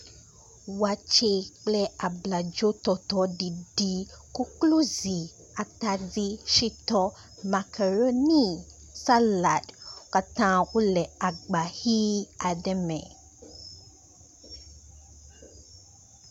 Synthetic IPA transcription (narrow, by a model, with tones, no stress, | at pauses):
wa˨t͡ʃe˦k͡plɛ˦ʔa˨bla˨d͡ʒo˦tɔ˨t̪ɔ˨˦di˨di˨ku˦klo˦zi˨ | a˨ta˨d͡zi˦ʃi˦tɔ˦ | ma˨kʰɛ˨ɾo˦nĩ˦ | sa˦la˨dka˨tã˦wo˦lɛ˨a˨ɡ͡ba˨hi˦a˨dɛ˦mɛ̰̃˨